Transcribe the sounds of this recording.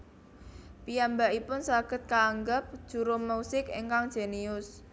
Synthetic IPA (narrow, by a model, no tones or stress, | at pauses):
pijambaipʊnsaɡ̥ə̤t̪̚kaːŋɡəp̚d̥ʒ̥ṳɾomusɪkḭŋkaŋd̥ʒ̥a̤niʊs